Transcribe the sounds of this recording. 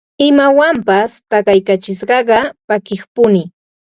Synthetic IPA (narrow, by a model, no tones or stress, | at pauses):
ɪmawampast̪ɑɢɑjkat͡ʃɪʃɢɑɢɑpakɪχpʊnɪ